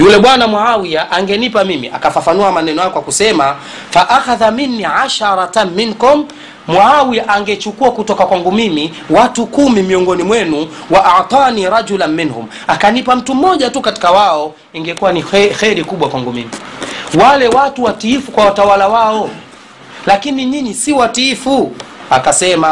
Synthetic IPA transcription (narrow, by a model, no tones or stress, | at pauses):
julɛɓwanamwaawiaʔaŋɡɛnipamimḭʔa̰kafafanuamanɛnɔjakwakusɛma | faʔaxaðaminːiʕaʃaɾˤɑminkum | mwaawiaʔaŋɡɛt͡ʃukuakutɔkakwaŋɡumimi | watukumimiɔŋɡɔnimwɛnu | waʔaʕt̪ˤɑːniːɾɑd͡ʒulanminhṵm | akanipam̩tum̩mɔʄatukati̥kawaɔ | iŋɡɛkuwanixɛɾikuɓwakwaŋɡumimiwalɛwatuwatiifukwawatawalawaɔ | lakiniɲiɲisiwatiifuakasɛma